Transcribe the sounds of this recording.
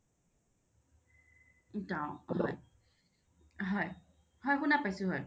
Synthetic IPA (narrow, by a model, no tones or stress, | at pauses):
taɦɔj | ɦɔj | hɔjxunapajsuɦoj